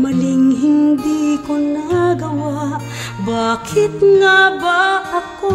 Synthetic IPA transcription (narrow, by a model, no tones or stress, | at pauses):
mɐlɪŋɦɪnd̪ikʊnɐɡɐwaʔ | baːkʰɪt̪ŋabaʔɐko